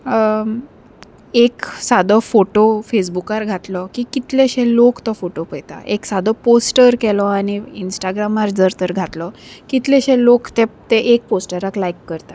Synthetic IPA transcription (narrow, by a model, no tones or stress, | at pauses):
eksad̪ʱɔfoʈofes̬bukaɾɡʱat̪lɔkikit̪leɕɛ̃lokt̪ɔfoʈopəjt̪a̰ʔeksad̪ɔposʈəɾkɛlɔaɽ̃iinsʈaɡɾamaɾd͡zəɾt̪əɾɡʱat̪lɔkit̪lɛɕɛ̃lokt̪et̪eʔek̚posʈəɾaklaikːəɾt̪a